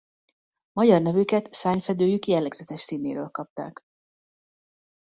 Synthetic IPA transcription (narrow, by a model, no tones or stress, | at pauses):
mɒɟɒrnɛvykɛt̪saːɲfɛd̪øːjykjɛlːɛɡz̥ɛt̪ɛʃsiːneːɾøːlkɒp̚t̪a̰ːk